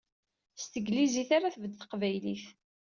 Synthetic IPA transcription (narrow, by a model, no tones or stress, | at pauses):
st̪əɡliziθaɾaθvəd̪θqvæjliθ